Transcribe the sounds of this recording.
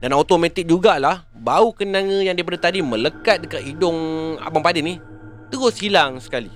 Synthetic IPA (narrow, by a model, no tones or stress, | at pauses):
danawt̪omãt̪ɪk̚d͡ʒuɡalah | baukənãŋə̃jaŋdajpadat̪adimə̃ləkat̪̚dəkat̪̚idʊŋa̰baŋpadinĩ | t̪əɡosilaŋsə̥kali